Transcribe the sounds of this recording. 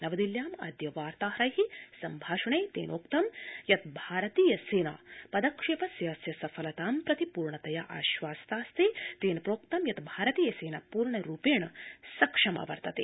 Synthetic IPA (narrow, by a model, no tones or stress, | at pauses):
nɐʋɐd̪iljaːmɐ̰d̪jɐʋaːɾt̪aːɦɾɐjɦisɐmbʱaːʃɐɳeːt̪ḛːnoːkt̪ɐmjɐt̪̚bʱaːɾɐt̪iːjɐseːna̰ːpɐd̪ɐkʂeːpɐsjaːsjɐsɐfʰɐlɐt̪aːmpɾɐt̪ipuːɾɳɐt̪ɐjaːʔa̰ːʃʋaːsɐ̥t̪aːst̪ʰet̪eːnpɾoːk̚t̪ɐmjɐt̪bʱaːɾɐt̪iːjɐseːnapuːɾɳɐɾuːpeːɳɐsɐkʂɐmɐ̰ʋɐ̰ɾt̪ɐt̪ḛ